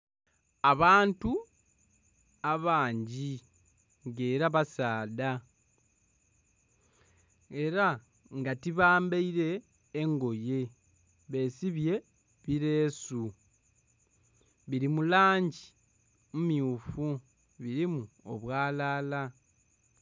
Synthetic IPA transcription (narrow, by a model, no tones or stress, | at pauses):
aβaːntu | aβaːɲɟi | ŋɡe̞ːɾaβasaːda | e̞ɾa | ŋɡatiβaːmbeiɾe̞ː | ŋɡo̞je̞ | βe̞ːsiβje̞ | βiɾe̞ːsu | βiɾimulaːɲɟi | mumjuːfu | βiɾimuo̰βwaːlaːla